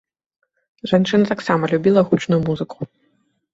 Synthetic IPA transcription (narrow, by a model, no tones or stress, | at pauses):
ʐant͡ʂɨnɐt̪aksamɐlʲubʲilˠɐɣut͡ʂnujumuzɨkʰu̥